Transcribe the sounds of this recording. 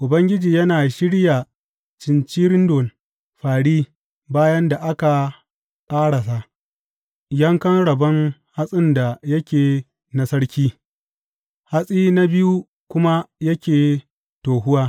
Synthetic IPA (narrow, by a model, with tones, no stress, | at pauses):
ʔʊ˨bɐ˦ŋɡʲɪ˦d͡ʒiː˨jɐ˦naː˨ʃɪ˦ɽja˨ | t͡ʃɪ˨nt͡ʃiː˦ɾɪ˦ndo˨n | ɸaː˨ɽiː˦ | baː˦jɐ˦nda˨ʔa˦ka˨ | kʼaː˦ɽa˨sa˦ | jɐ˦ŋkɐ˦nɽɐ˨bɐ˦ŋha˦sʼɪ˦nda˨jɐ˦kʲeː˨ | na˨sɐ˦ɽkʲiː˦ | ha˦sʼiː˦na˦bɪ˦ju˦ | kʷʊ˦ma˦jɐ˦kʲeː˨ | toː˨ɦʊ˦waː˦